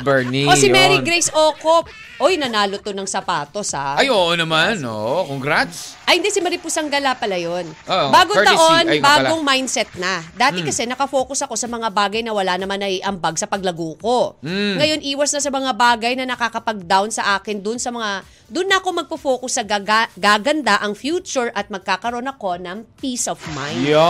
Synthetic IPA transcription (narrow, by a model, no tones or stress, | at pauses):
bɛniosɪmɛɾiɡɾejsoːkop | ʔojnɐnaːlot̪onɐŋsɐpaːt̪o̞sa̰ɐjoʔnɐmanoʔkoŋɡɾad̪sʔɐjɪnd̪ɛsɪmɐɾipusɐŋɡɐlapɐlajonbaːɡot̪ɐʔonjbaːɡoŋmajnd̪sɛt̪̚nɐd̪aːt̪ɪkɐsɛnɐkɐfo̞ːkʊsɐko̞sɐmɐŋabaːɡɐjnɐwɐlanɐmanɐjʔɐmbaɡsɐpɐɡlɐɡuːko̞ŋɐjo̞nʔiːwɐsnɐsɐmɐŋabaːɡɐjnɐnɐkakɐpɐɡ̚d̪awnsɐʔaːkɪnd̪ʊnsɐmɐŋa | d̪ʊnːɐɐko̞mɐɡ̚pɐfoːkʊsːɐaɡaːɡɐnd̪aʔɐŋfjuːt͡ʃʊɹʔɐt̪̚mɐɡ̚kaːkɐɾo̞nɐko̞nɐŋpisofmaj̪